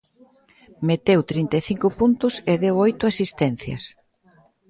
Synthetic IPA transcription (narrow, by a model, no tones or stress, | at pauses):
met̪ewt̪ɾint̪eθiŋkʊpunt̪ʊsɪðewojt̪ʊasist̪ɛn̟θjɐ̰s